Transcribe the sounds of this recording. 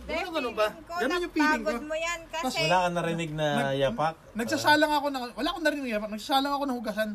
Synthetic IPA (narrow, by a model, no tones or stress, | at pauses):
ɡɐnoɐlʊbaɡɐnonjʊpiːlɪŋkojmɐswɐlaːkɐŋnɐɾɪnɪɡ̚nɐjaːpɐk̚nɐɡ̚sasaːlɐŋɐko̞nɐwɐlaːkonɐɾɪnɪɪŋjaːpɐk̚nɐɡsasaːlɐŋɐko̞nɐhʊɡɐsan